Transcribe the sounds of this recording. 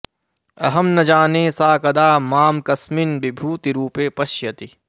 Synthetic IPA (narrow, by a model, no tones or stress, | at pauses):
ɐɦɐmnɐd͡ʒaːneːsaːkɐd̪aːmaːmkɐsmɪnbibʱuːt̪iɾuːpeːpɐʃjɐt̪i